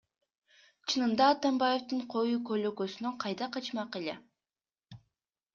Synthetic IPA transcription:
t͡ʃʰɯnɯnd̪ɑːt̪ɑmbɑje̞ft̪ɯɴqʰo̞jukøløkøsynøqʰɑjd̪ɑqɑt͡ʃmɑqelḛ

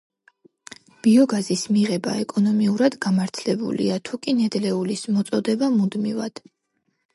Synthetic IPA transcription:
b̥iɔɡazismiʁɛba̰ɛkʼɔnɔmiuɾad̪ɡamaɾt̪ʰlɛbṵlḭat̪ʰukʼinɛd̪lɛulismɔt̪sʼɔd̪ɛbamud̪mivad̪̥

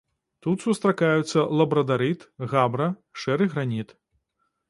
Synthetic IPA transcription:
t̪ut̪sust̪ɾakajut̪sːɐlˠɐbɾɐd̪aɾɨt̪ɣabɾɐʂɛɾɨɣɾanʲit̪

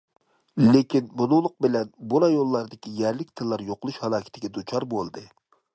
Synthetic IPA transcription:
lekʲinbunʊŋlˠʊq̚bɪlɛnbuɾɑjolˠːɑɾd̪ɪkʲijɛɾlɪkʲt̪ʰɨlˠːɑɾjoqəlˠuʃhɑlˠɑːkʲɪ̥t̪ʰɪɡʲɛd̪ut͡ʃʰɑɾbolˠd̪ɨ

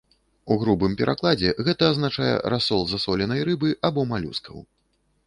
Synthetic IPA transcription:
uɣɾubɨmpʲɛɾʔaklˠad͡zʲɛɣɛt̪ɐːznat͡ʂajɛ̰ɾasɔlˠzasɔlʲɛnɐjɾɨbɨʔabɔmalʲṵskɐ̰w

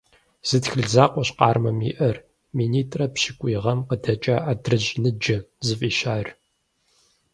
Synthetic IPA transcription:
z̥ɨtxɨɮzaːqʷʼɔɕqɑːrmɐmḭːʔɐr | miːniːtʼrɐpʃɪkʷʼiːʁɐmqədɐt͡ʃʼɐʔadrɨʑnɨd͡ʒɪzɨfʼiːʃaːr

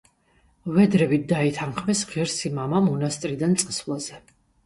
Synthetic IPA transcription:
vɛd̪ɾɛbit̪̚d̪ait̪ʰanχmɛsʁiɾsimamamɔnast̪ʼɾid̪ant̪sʼsvlˠazɛ

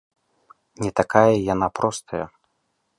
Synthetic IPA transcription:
nʲɛt̪akajɐjan̪apɾɔst̪ʰɐjɐ̰

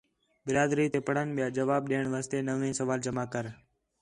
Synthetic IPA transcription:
bɪɾaːd̪ɾiːt̪eːpəɽ̤ənɓɪjaːd͡ʒəʋaːb̚ɗeːɳʋaːst̪eːnəʋẽːsəʋaːld͡ʒəmaːkəɾ

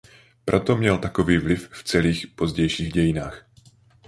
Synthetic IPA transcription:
pɾʔot̪omɲɛlt̪akoviːvlɪfft͡sɛliːxpo̞zɟɛjʃiːɣɟɛjɪnaːx

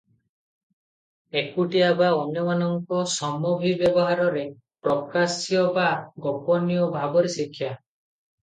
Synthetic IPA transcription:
ekuʈiabaɔnjɔmanɔŋkɔsɔmɔbʱibjɔbɔɦaɾɔɾe | pɾɔkasjɔbaɡɔpɔnijɔbʱabɔɾesikʰːja

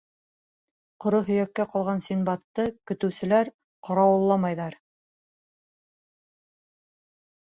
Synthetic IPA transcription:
qŏɾoɦɵ̆jækːæqɑlˠʁɑnsinbɑt̪ːɤkɵ̆t̪ɵ̆wsɘ̆læɾ | qʰɑɾɑwɤ̆lˠːɑmɑjðɑɾ

